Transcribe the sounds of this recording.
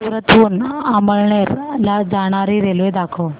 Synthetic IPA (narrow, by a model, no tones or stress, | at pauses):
puɾət̪uːnaməɭɳeɾlad͡zaɽ̃aɾiɾelued̪akʰo